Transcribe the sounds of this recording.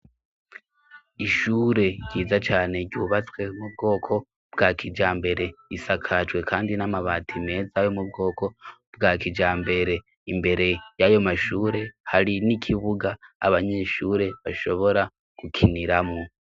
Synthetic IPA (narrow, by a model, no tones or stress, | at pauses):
iʃuɾe̞ɟiːzat͡ʃaːne̞ɟuːβat͡swe̞mubɡo̞ːkʰo̞ | b̥ɡaːkʰid͡ʒaːmbe̞ɾe̞isakʰat͡ʃwe̞kʰaːndinamaβaːtʰime̞ːzajo̞mub̚ɡo̞ːkʰo̞b̥ɡaːkid͡ʒaːmbe̞ɾe̞ | imbe̞ɾe̞jajo̞maʃuːɾe̞haɾinikʰiβuɡa̰ːβaɲeʃuːɾe̞βaʃo̞βo̞ɾa | kukʰiniɾamŋo